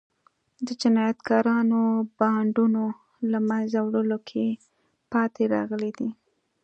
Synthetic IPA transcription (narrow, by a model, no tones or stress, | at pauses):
d̪əd͡ʒɪnɑjat̪kɑɾɑnobɑɳɖuno | lamanzawɽəlokʰe | pɑt̪ʰeɾɑ̰ɣəlid̪i